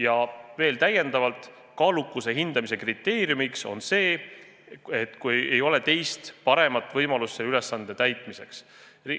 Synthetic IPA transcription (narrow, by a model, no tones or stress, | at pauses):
jɑve̞ːlt̪æjːe̞nd̪̥ɑvɑlt̪ˑ | kɑːlukːˑuse̞ɦind̪̥ɑmis̬e̞krit̪ːe̞ːɾjumikso̞̰nse̞ː | et̪ːˑkuje̞jo̞le̞t̪e̞jst̪pɑɾe̞mɑt̪ːˑvɤjmɑlust̪selyle̞sːɑnd̪̥e̞t̪æjt̪ˑmise̞ks | ri